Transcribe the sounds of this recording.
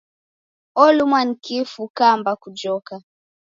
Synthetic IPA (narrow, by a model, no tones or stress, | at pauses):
ɔlumwan̩kifukambakud͡ʒɔka